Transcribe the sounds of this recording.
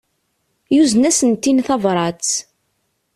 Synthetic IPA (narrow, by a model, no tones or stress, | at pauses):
juznæsənt̪ːinθɑvɾˤɑt͡s